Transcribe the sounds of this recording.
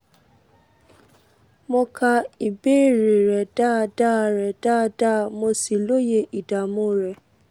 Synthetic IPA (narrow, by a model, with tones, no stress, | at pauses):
mɔ˧kʰa˧i˨be˦˨ɾe˨ɾɛ˨da˦˧da˦˧ɾɛ˨da˦˧da˦˧mo˧si˨lo˦je˧ʔi˨da˨mõ˨˧ɾɛ˨